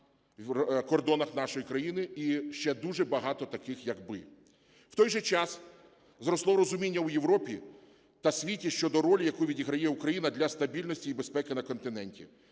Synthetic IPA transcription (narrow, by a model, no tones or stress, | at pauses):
kɔrd̪ɔnɐxnɑʃɔjikɾɐjinɪiʃt͡ʃɛd̪uʒɛbɐɦɑt̪ɔt̪ɐkɪxjɐkbɪ | w̥t̪ɔjʒɛt͡ʃɑs | zɾɔslˠɔɾɔzʊmʲinʲːɐwjewɾɔpʲi | t̪ɐsʲʋʲitʲiʃt͡ʃɔd̪ɔɾɔlʲjɐkuʋʲidʲiɦɾɐjɛukɾɐjinɐd̪lʲɐst̪ɐbʲilʲnɔsʲtʲiibespɛkɪnɐkɔnt̪ɪnɛnʲtʲḭ